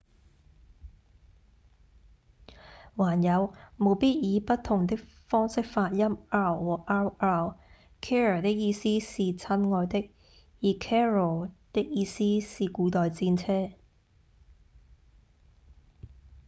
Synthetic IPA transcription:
waː˨˩njɐ˨˧wmo˨˧wpiː˥t̚jiː˨˧pɐ˥tt̪ʰːʊ˨˩ŋt̪ɪ˥k̚fɔː˥ŋsɪ˥k̚faː˧t̚jɐ˥maː˥wwɔː˨˩ʔaː˥waː˧˩w | kʰɛː˥ɹɔ˨˩t̪ɪ˥k̚jiː˧siː˥siː˨t͡sʰɐ˥nŋɔː˧jt̪ɪ˥k̚ | jiː˨˧kʰɛː˥ɹɔː˨˩t̪ɪ˥k̚jiː˧siː˥siː˨kuː˨˧t̪ɔː˨jt͡siː˧nt͡sʰɛː˥

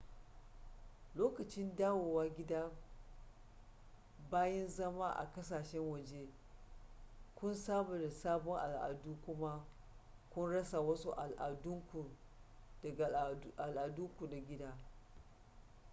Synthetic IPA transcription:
loː˦kɐ˨t͡ʃɪ˦ndaː˦woː˨waː˦ɡʲɪ˦da˦ | baː˦jɛ˦nzɐ˦ma˦ʔa̰˨kɐ˦s̬aː˨ʃɛ˦ŋwɐ˨d͡ʒe˦ | kʷʊ˦nsaː˦bʊ˨da˨saː˦bɔ˦ŋʔa̰˨lʔa̰˨duː˦kʷʊ˦ma˦ | kʷʊ˦nɽɐ˦sa˨wɐ˦su˦ʔa˨lʔa˨dʊ˦ŋkʷu˨dɐ˨ʔa˨lʔa˨du˦kʷu˨da˨ɡʲɪ˦daː˦

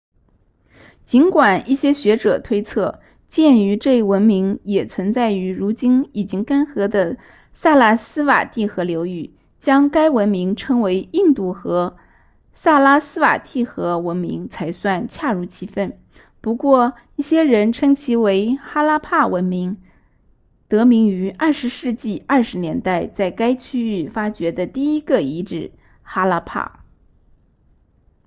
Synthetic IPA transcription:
t͡ɕi˧˥nkwa˨˩nʔi˥˩ɕjɛ˥ɕɥɛ˧˥ʈ͡ʂɤ˨˩t̪ʰwe˥ɪt͡sʰɤ˥˩ | t͡ɕjɛ˥˩ny˧˥ʈ͡ʂɤ˥˧i˥˩wə˧˥nmi˧˥ŋjɛ˨˩t͡sʰwə˧˥nt͡sa˥˩ɪy˧˥ɻu˧˥t͡ɕi˥ni˨˩t͡ɕi˥ŋka˥nxɤ˧˥d̪ə˧ | sa˥˧la˥˩sɹ̩˥wa̰˨˩t̪i˥˩xɤ˧˥ljo˧˥ʊy˥˩ | t͡ɕjɑ˥ŋka˥ɪwə˧˥nmi˧˥ŋʈ͡ʂʰɤ˥ŋwe˧˥ɪi˥˧nt̪u˥˩xɤ˧˥ | sa˥˩la˥sɹ̩˥wa̰˨˩t̪i˥˩xɤ˧˥wə˧˥nmḭ˧˥ŋt͡sʰa˧˥ɪswa˥˩nt͡ɕʰja˥˧ɻu˧˥˩t͡ɕʰi˧˥fə˥˩n | pu˧˥kwɔ˥˧˩ | i˥˩ɕjɛ˥ɻə˧˥nʈ͡ʂʰɤ˥ŋt͡ɕʰi˧˥we˧˥ɪxa˥la˥pʰa˥˩wə˧˥nmi˧˥ŋ | t̪ɤ˧˥mi˧˥ŋy˧˥ʔɐ˞˥˩ʂɻ̩˧˥ʂɻ̩˥˧t͡ɕi˥˩ɐ˞˥˩ʂɻ̩˧˥njɛ˧˥nt̪a˥˧ɪt͡sa˥˩ɪka˥ɪt͡ɕʰy˥y˥˩fa˥t͡ɕɥɛ˧˥d̪ə˧t̪i˥˩i˥ɡə˨i˧˥ʈ͡ʂɻ̩˥˨˩ | xa˥la˥pʰa̰˥˩

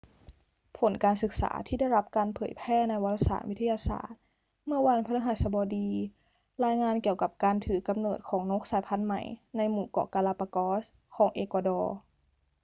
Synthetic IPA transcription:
pʰo˨˩˦nkaː˧nsɯ˨˩k̚sa̰ː˩˦t̪ʰiː˥˩da˥˩jla˦˥p̚kaː˧npʰɤː˨˩˦jpʰɛː˥˩na˧jwa˧t̪ʰːa˧sa̰ː˧˩˦wi˦t̪ʰːjaː˧sa̰ː˨˩t̪̚ | mɯ˥˩ɐwa˧npʰa˧na˧˥ɦaː˨˩˦jsa˧bɔː˧diː˧ | laː˧jŋaː˧nki˨˩əwka˨˧˩p̚kaː˧nt̪ʰɯː˨˩˦ka˧mnɤː˨˩t̪̚kʰɔː˩˦ŋno˦˥k̚saː˨˦jpʰa˧˨nma̰˨˩jna˧jmuː˨˩kɔ̰ː˧˩kaː˧laː˧pa˧kɔː˧˦˥s | kʰɔː˩˦ŋʔeː˧kɔː˧dɔː˧

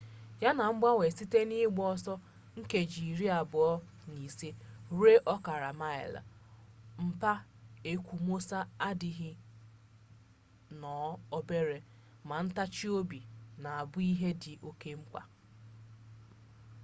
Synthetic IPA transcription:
ja˦na˨ŋ͡m̩˦ɡ͡ba˦we˨si˦te˦ni˦ɡ͡bɔ˦sɔ˦ | ŋ̩˦ke˨d͡ʒi˨ɾi˦a˨bʊ˨ɔ˦ | ni˨si˦ɾe˦ʔɔ˦ka˨ɾa˨ma˦ɪ̰˨l̰m̩˦pa˦e˦kʷu˨mo˦sa˦a˦dɪ˨ɦɪ˦ | nɔ˨˦ɔ˦be˦ɾe˨ | ma˨n̩˦ta˦t͡ʃi˦o˦bi˨na˨a˨bʊ˦i˦ɦe˦dɪ˨ʔo˦ke˦ŋ͡m̩˦k͡pʷa̰˨

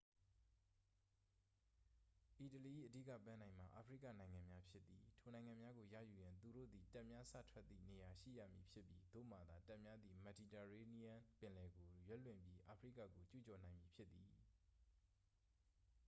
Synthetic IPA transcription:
ʔi˨təli˨ʔḭ˦˨ʔədḭ˦˨kä̰˦˨pã˦nã˨ɪ̃m̥a˨ʔa̰˨pʰɹḭ˦ka̰˦˨nã˨ɪ̃ŋã˨mja˦pʰjɪ˦t̪ːi˨tʰo˨nã˨ɪ̃ŋã˨mja˦ɡo˨jä̰˦˨ju˨jã˨nt̪u˨ɾo̰˦˨d̪i˨ta˦ʔmja˦sä̰˦˨tʰwɛ˦t̪̚ːḭ˦˨ne˨ja˨ʃḭ˦˨ja̰˦˨mji˨pʰjɪ˦pːji˦d̪o̰˦˨m̥a˨d̪a˨ta˦ʔmja˦d̪ði˨mɛ˨di˨tɛ˨ɹe˦ni˦jã˦pɪ̃˨lɛ˨ɡo˨jwɛ˦lwɪ̃˨mbji˦ʔa˨pʰəɹḭ˦˨kä̰˦˨ko˨t͡ɕṵ˦˨t͡ɕɔ˨nã˨ɪ̃mji˨pʰjɪ˦t̪ːi˨

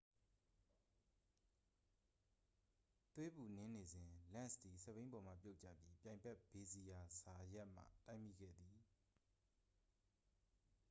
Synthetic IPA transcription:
t̪we˦bu˨nɪ̃˦ne˨zɪ̃˨lã̰˦˨nsd̪i˨sɛ˦˨bẽ˦ɪ̃mbɔ˨m̥ä̰˦˨pjo˦ʔt͡ɕä̰˦˨pji˦pjã˨mpɛ˦ʔb̥e˨zi˨ja˨sa˨ja˦ʔm̥a̰˦˨ta˦ɪmḭ˦˨ɡɛ̰˦˨d̪ði˨

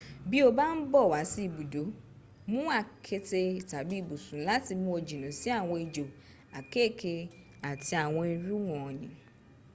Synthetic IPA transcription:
bi˦o˧ba˦n̩˦bɔ˦˨wa˨˦si˦i˦˨bu˨do˨˦ | mũ˦a˦˨kʰe˧te˧i˨ta˨bi˦˨bu˨sũ˨˦la˦ti˧mũ˦o˧d͡ʒi˨nã˨˦si˦a˦˨w̃ɔ̃˧i˧d͡ʒo˨ | a˨ke˦˨kʰe˧ | a˨ti˧a˨w̃ɔ̃˧i˧ɾu˦w̃ɔ̃˦˨nĩ˨

